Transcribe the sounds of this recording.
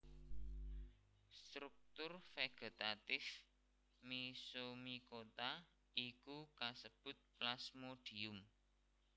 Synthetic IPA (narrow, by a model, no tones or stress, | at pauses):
st̪ɾuk̚t̪ʊrfeɡ̥e̤t̪at̪ɪf | misomikot̪a | ikukasəb̥ʊ̤t̪̚plasmoɖ̥i̤ʊm